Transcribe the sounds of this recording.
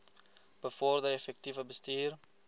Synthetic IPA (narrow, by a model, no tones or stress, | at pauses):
b̥əfɔrdəɾefɛk̚tivəbəstiːr